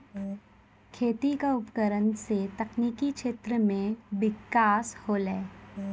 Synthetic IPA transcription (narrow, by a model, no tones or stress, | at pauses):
kʰeːt̪ikaʊpkəɾənset̪ɐkniːkikʃeːt̪ɾəmẽʋɪkːaːshoːlɛː